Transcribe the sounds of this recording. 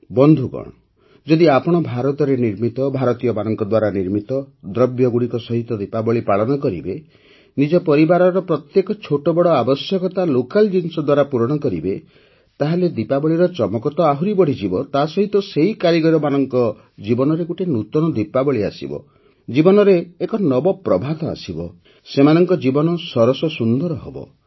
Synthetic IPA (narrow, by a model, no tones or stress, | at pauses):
bɔnd̪ʱuɡɔ̰ɽ̃ɔ | d͡ʒɔd̪iapɔɽ̃ɔbʱaɾɔt̪ɔɾeniɾmit̪ɔbʱaɾɔt̪ijɔbanɔŋkɔd̪waɾaniɾmit̪ɔd̪ɾɔbjɔɡuɽikɔsɔɦit̪ɔd̪ipabɔɭipaɭɔnɔkɔɾḭbe | nid͡ʒɔpɔɾibaɾɔɾɔpɾɔt̪jekɔt͡ʃʰoʈɔbɔɽɔabɔsjɔkɔt̪alokald͡ʒinsɔd̪waɾapuɾɔɽ̃ɔkɔɾibe | t̪aɦeled̪ipabɔɭiɾɔt͡ʃɔmɔkɔt̪ɔaɦuɾibɔɽ̤id͡ʒibɔt̪asɔɦit̪ɔseɦikaɾiɡɔɾɔmanɔŋkɔ | d͡ʒibɔnɔɾeɡuʈenut̪ɔnɔd̪ipabɔɭia̰sḭbɔ̰ | d͡ʒibɔnɔɾeːkɔnɔbɔpɾɔbʱad̪ɔa̰sibɔ̰ | semanɔŋkɔd͡ʒibɔnɔsɔɾɔsɔsund̪ɔɾɔɦɔ̰bɔ̰